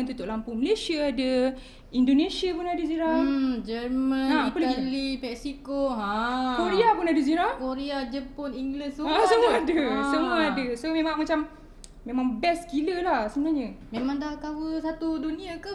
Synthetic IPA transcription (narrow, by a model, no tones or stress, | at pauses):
nt̪ut̪oʔlampuməlesiaada | indonesiapunadəziɾad͡ʒəɾmə̃ãpələɡilipɛksikoɦãkoɾiapunadəziɾakoɾiad͡ʒəpɔniŋɡlissəasəmuaadəsəmuaadəsomẽmãŋmat͡ʃam | mẽmaŋbɛskiləlahsəbənaɲəmemaŋdakawəsat̪udunĩakə